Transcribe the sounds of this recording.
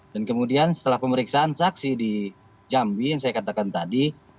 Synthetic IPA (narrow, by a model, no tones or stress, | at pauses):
dankəmudiansə̥t̪əlahpəməɾiksaʔːnsaksidi | d͡ʒambijaŋsajakat̪akant̪adi